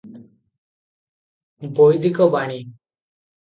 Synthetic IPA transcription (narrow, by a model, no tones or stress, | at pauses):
bojd̪ikɔbaɽ̃i